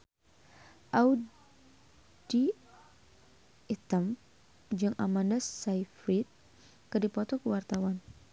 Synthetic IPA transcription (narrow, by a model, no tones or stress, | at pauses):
ʔau | di | it̪əm | d͡ʒɨŋʔa̰mandasaifɾit̪̚ | kɨdipɔt̪ɔkəwart̪awan